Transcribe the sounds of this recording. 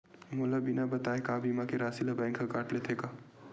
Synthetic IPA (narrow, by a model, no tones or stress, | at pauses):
moːlabinabɐt̪aːekaːbimakeɾaːsilabɛ̃ːŋkːakaːʈlet̪ʰeːkaː